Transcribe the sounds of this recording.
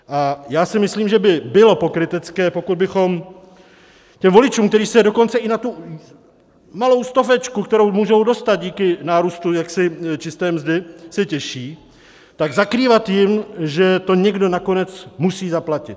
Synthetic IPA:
ʔajaːsɪmɪsliːmʒɛbɪbɪlo̞po̞kɾɪt̪ɛt͡skɛːpo̞kud̪bɪxo̞m | cɛmvo̞lɪt͡ʃuːmk̚t̪ɛɾiːsɛdo̞ko̞nt͡sɛʔɪnat̪u | malo̞wst̪ofɛt͡ʃkukt̪ɛɾowmuːʒowdo̞st̪ad̪̚ɟiːkɪnaːɾuːst̪ujaksɪt͡ʃɪst̪ɛːmzdɪsɛcɛʃiː | t̪aɡzakɾiːvat̪jɪmʒɛt̪o̞ɲɛɡdo̞nako̞nɛt͡smusiːzaplacɪt̪

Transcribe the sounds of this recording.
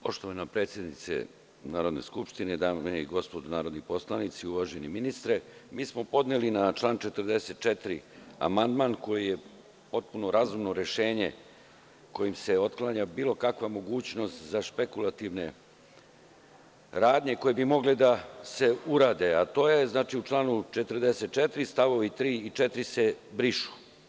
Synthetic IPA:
po̞ʃt̪oʋanapɾet̪sjed̪nit̪sḛ | naːɾo̞d̪ne̞̰skupʃt̪ine̞d̪aːmeiɡo̞spod̪unaːɾo̞d̪nipo̞slˠanit̪siuʋaʒeniminist̪ɾemiːsmo̞po̞d̪nelinat͡ʃlˠaːnt͡ʃet̪ərd̪e̞set̪̚t͡ʃet̪ɾia̰mand̪maːnko̞jije̞ | po̞t̪̚puno̞ɾazumno̞ɾe̞ʃe̞ːɲe̞ | ko̞jimse̞o̞t̪klˠaɲabiːlo̞kakʋamo̞ɡuːt͡ɕno̞st̪zaʃpekulˠat̪iʋne̞̰ | ɾaːd̪ɲe̞ko̞jebimo̞ɡled̪ase̞uɾaːd̪e̞at̪o̞ːjeznaːt͡ʃiut͡ʃlˠaːnut͡ʃet̪əɾd̪eset̪̚t͡ʃet̪ɾist̪aʋo̞ʋit̪ɾiːit͡ʃet̪ɾise̞bɾiʃu̥

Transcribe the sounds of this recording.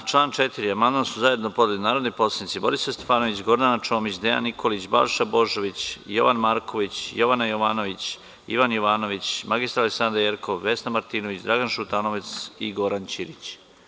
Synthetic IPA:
t͡ʃlˠaːnt͡ʃe̞t̪iɾiamand̪mansuzaje̞d̪no̞po̞d̪elinaːɾo̞d̪nojpo̞slˠed̪it̪sibo̞ɾisast̪efaːno̞ʋit͡ɕɡo̞ɾd̪ant͡ʃo̞ːmit͡ɕd̪ea̰nːikʰo̞lit͡ɕba̰lʃabo̞ʒo̞ʋit͡ɕjo̞̰ʋanmaːɾkʰo̞ʋit͡ɕjo̞ʋanajoʋaːno̞ʋit͡ɕ | ḭʋanjoʋaːno̞ʋit͡ɕmaɡist̪ɾaleksand̪ɾajeɾkʰoʋːesnamaɾt̪iːno̞ʋit͡ɕd̪ɾaɡanʃut̪anoʋet̪siɡo̞ɾant͡ɕiɾit͡ɕ

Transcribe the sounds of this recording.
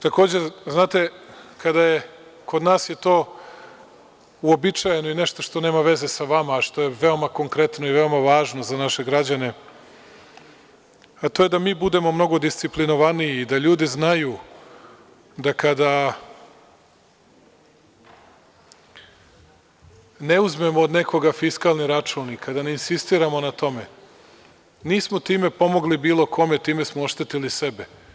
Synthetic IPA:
t̪ako̞ːd͡ʑeznaːt̪e̞kad̪aje̞ko̞d̪naːsjet̪o̞ː | uo̞bit͡ʃaje̞noine̞ʃt̪o̞ʃt̪o̞ne̞ːmaʋe̞ze̞saʋamaːʃt̪o̞je̞ʋe̞o̞mako̞ŋkɾe̞t̪noive̞o̞maʋaːʒno̞zanaʃe̞ɡɾad͡ʑane̞ | at̪ojed̪amiːbud̪e̞mo̞mno̞ɡo̞d̪ist̪siplinoʋaniiːd̪aʎuːd̪iznaju | d̪akad̪a | ne̞uzme̞moːd̪ne̞ko̞ɡafiskalˠniɾat͡ʂuːnikad̪aneinsist̪iːɾamo̞nat̪o̞me̞ | niːsmo̞t̪iːme̞po̞mo̞ɡlibiːlo̞kʰo̞me̞t̪iːme̞smooʃt̪e̞t̪ilisebe̞

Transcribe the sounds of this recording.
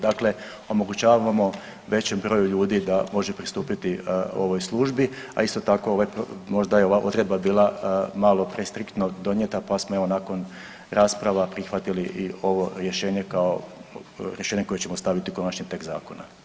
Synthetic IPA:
d̪akle̞ | o̞mo̞ɡut͡ɕaːʋaʋamo̞ | ʋe̞t͡ɕembɾo̞ːjuʎuːd̪id̪amo̞ʒepɾist̪uːpit̪io̞̰ʋo̞jslˠuʒbi | a̰ist̪ot̪ako̞oʋajpmo̞ʒd̪ajeo̞ʋaʔo̞̰d̪ɾe̞d̪babiːlˠamalˠo̞pɾest̪ɾikt̪nod̪o̞njet̪apasmoeʋo̞naːko̞n | ɾʔaːspɾaʋapɾixʋat̪iliʔio̞ʋo̞ɾje̞ʃe̞ːɲe̞kao̞ | ɾjeʃe̞ːɲeko̞jet͡ɕe̞mo̞st̪aʋit̪iko̞nat͡ɕɲit̪e̞kza̰ːko̞na

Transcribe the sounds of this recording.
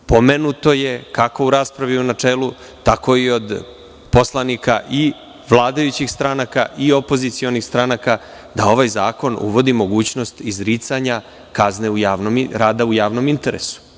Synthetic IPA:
pomenut̪o̞je̞kako̞uɾaːspɾaʋiunat͡ʂeːlu | t̪ako̞io̞d̪ | po̞slˠanikaʔi | ʋlˠaːd̪ajut͡ɕixst̪ɾanakaʔio̞po̞zit̪sio̞nixst̪ɾanaka | d̪ao̞ʋajzaːko̞nṵʋo̞d̪imo̞ɡuːt͡ɕno̞st̪izɾit̪saɲa | kazne̞ujaːʋnomɾaːd̪aujaːʋno̞mint̪e̞ɾḛsu̥

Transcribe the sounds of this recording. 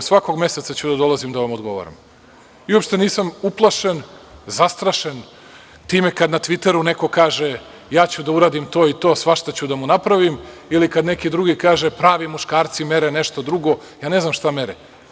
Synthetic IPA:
sʋako̞ɡme̞set̪sat͡ɕud̪ad̪o̞lˠazimd̪aʋamo̞d̪ɡo̞̰ʋo̰ɾa̰m | iuopʃt̪e̞niːsamuplˠaʃenzast̪ɾaʃen | t̪iːme̞kad̪nat̪ʋit̪e̞ɾune̞ko̞kaːʒe | jaːt͡ɕud̪auɾaːd̪imt̪o̞ːit̪o̞ːsʋaʃt̪at͡ɕud̪amunapɾaʋimilikad̪nekid̪ɾuɡikaːʒepɾaːʋimuʃkaːɾt̪sime̞ɾeneʃt̪o̞d̪ɾuɡo̞jaːne̞znamʃt̪ame̞ɾḛ

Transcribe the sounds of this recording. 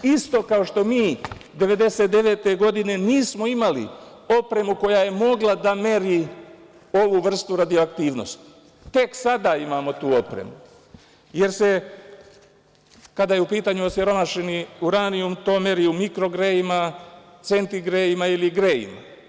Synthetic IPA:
ist̪o̞kao̞ʃt̪o̞miːd̪e̞ʋe̞d̪e̞se̞t̪d̪e̞ʋe̞ːt̪e̞ɡo̞d̪ine̞niːsmo̞imalḭ | o̞pɾe̞muko̞jaje̞mo̞ɡlad̪ame̞ɾi | o̞ʋuʋr̩st̪uɾad̪ioakt̪iːʋno̞̰st̪ | t̪e̞ksad̪aimaːmo̞t̪uːo̞pɾḛmu | je̞ɾse | kad̪ajeupiːt̪aɲuo̞sjeɾo̞maʃeniuɾaniumt̪o̞ːme̞ɾiumikɾo̞ɡɾeimat̪se̞nt̪iɡɾejimailiɡɾeːjḭma̰

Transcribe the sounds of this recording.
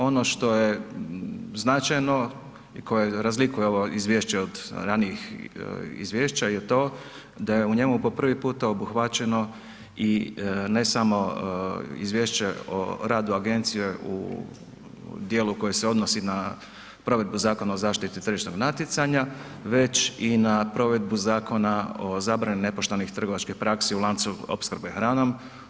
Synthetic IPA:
o̞no̞ʃt̪o̞je̞ | znat͡ʃajno̞ | iko̞je̞ɾazlikujeoʋo̞izʋjeːʃt͡ɕeod̪ɾaːnijix | ḭzʋjeːʃt͡ɕaje̞t̪o̞ː | d̪ajeuɲe̞mupo̞pr̩ʋipuːt̪aobuxʋat͡ɕe̞no̞ | ine̞samo̞ | ḭzʋjeːʃt͡ɕeo̰ɾaːd̪uaɡe̞nt̪sije̞ʔṵ | d̪jeːluko̞jeseo̞d̪no̞sina | pɾo̞ʋe̞d̪buzaːko̞nao̞zaːʃt̪it̪it̪ɾr̩ʒiʃt̪no̞ɡnat̪jit̪saɲa | ʋe̞t͡ʃinapɾo̞ʋe̞d̪̚buzaːko̞naozaːbɾanine̞po̞ʃt̪onixt̪r̩ɡo̞ʋat͡ʃkixpɾakseulˠant̪suo̰pskr̩bexɾaːno̞m

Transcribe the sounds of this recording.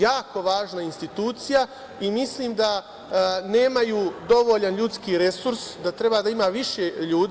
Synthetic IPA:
jaːko̞ʋaːʒnainst̪it̪uːt̪sija | imisliːmd̪a | ne̞ːmajuːd̪o̞ʋoʎanʎut̪skiːɾe̞suɾsd̪at̪ɾe̞baːd̪aimaːʋiʃeʎuːd̪

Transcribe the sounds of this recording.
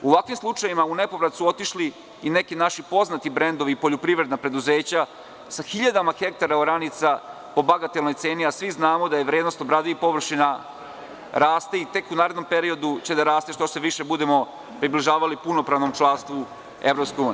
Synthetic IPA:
uʋakʋimslˠut͡ʂajimaunepoʋɾat̪suo̞t̪iʃli | inekinaʃipo̞znat̪ibɾend̪oʋipo̞ʎopɾiʋɾe̞d̪napɾe̞d̪uzeːt͡ɕa | saxiʎad̪amaxe̞k̚t̪aɾaoɾanit̪sa | po̞baɡat̪elnojt̪seːniasʋiznaːmo̞d̪aje̞ʋɾeːd̪nost̪obɾad̪iipo̞ʋr̩ʃina | ɾaːst̪eit̪e̞kunaːɾed̪nompeɾio̞d̪ut͡ɕe̞d̪aɾaːst̪eʃt̪oseʋiʃebud̪emo̞ | pɾibliʒaːʋalipunopɾaʋnomt͡ʃlˠanst̪ʋu | ḛʋɾopskojuːnii

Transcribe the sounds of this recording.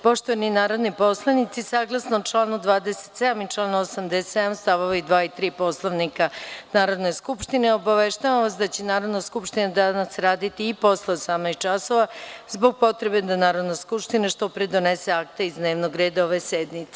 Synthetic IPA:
po̞ʃt̪oʋaninaːɾo̞d̪nipo̞slˠanit̪sisaːɡlˠasnot͡ʃlˠaːnud̪ʋaːd̪eset̪sed̪amit͡ʂlˠaːnosamd̪esed̪amst̪aʋoʋaid̪ʋaːit̪ɾiːpo̞slˠoʋnikanaːɾo̞d̪neskupʃt̪ineo̞baʋeʃt̪aʋamʋasd̪at͡ɕenaːɾo̞d̪naskupʃt̪inad̪anasɾaːd̪it̪iːpo̞slˠaosamnait͡ʃaso̞ʋazbo̞ɡ̚po̞t̪ɾe̞be̞d̪anaːɾod̪naskupʃt̪inaʃt̪o̞pɾed̪o̞nese̞akt̪eizd̪ne̞ːʋnoɡɾeːd̪aoʋesed̪nit̪se

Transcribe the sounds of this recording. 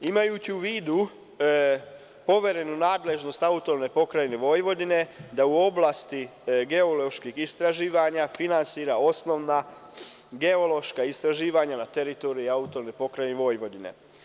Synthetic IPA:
imajut͡ɕiuʋiːd̪u | po̞ʋe̞ɾe̞nunaːd̪le̞ʒno̞st̪aut̪olne̞po̞kɾajeneʋo̞jʋo̞d̪ine̞d̪auo̞blˠast̪iɡe̞olo̞ʃkixist̪ɾaʒiːʋaɲafinansiːɾao̞sno̞ʋna | ɡe̞o̞lo̞ʃkaist̪ɾaʒiːʋaɲanat̪eɾit̪oɾiiaut̪o̞lnepo̞kɾajneʋo̞jʋo̞d̪ine̞̰

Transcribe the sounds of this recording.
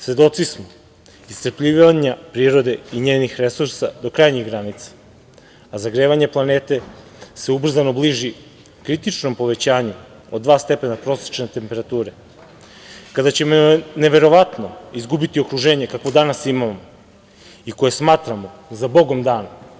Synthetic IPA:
sʋe̞d̪o̞t̪sismo | ist̪r̩pʎiːʋaɲapɾiːɾo̞d̪e̞iɲeːnixɾe̞suɾsad̪o̞kɾajɲiɣɡɾanit̪sḁ | azaɡɾeʋaɲe̞plˠaneːt̪e̞ | se̞ubr̩zano̞bliʒi | kɾit̪it͡ʃno̞mpo̞ʋe̞t͡ɕaːɲu | od̪d̪ʋaːst̪e̞penapɾo̞se̥t͡ʃnet̪e̞mpe̞ɾat̪uːɾe̞ | kad̪at͡ɕe̞moneʋe̞ɾo̞ʋat̪no̞izɡubit̪io̞kɾuʒe̞ːɲe̞kakʋo̞d̪anasimamo | iko̞je̞smaːt̪ɾamo̞zabo̞ɡo̞md̪aːna

